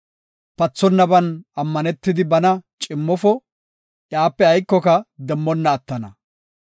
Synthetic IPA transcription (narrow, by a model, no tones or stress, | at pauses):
pɐt͡sːɔnːɐbɐnɐmːɐnɛt̪ːɪd̪ɪbɐnɐt͡ʃʼɪmːɔfɔ | ʔjaːpːɛɐjkːɔkɐd̪ɛmːɔnːɐːt̪ːɐnɐ